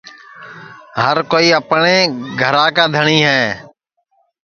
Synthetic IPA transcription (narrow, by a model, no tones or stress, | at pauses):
ɦəɾkoːiːəpɳeːɡʱəɾãːkaːd̪ʱəɳiːɦɛː